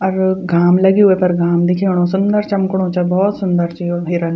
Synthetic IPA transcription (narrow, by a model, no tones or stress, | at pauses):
ɔɾɡaːmlɐɡiɦʊepɐɾɡʱaːmd̪ɪkʰeːɽ̃õːsʊnd̪əɾt͡ʃɐmkɽ̃õːt͡ʃɐbɔːt̪sʊnd̪əɾt͡ʃioeːɾan